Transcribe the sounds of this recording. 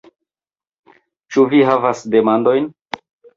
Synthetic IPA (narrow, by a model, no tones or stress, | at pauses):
t͡ʃuviɦavasde̞mando̞jn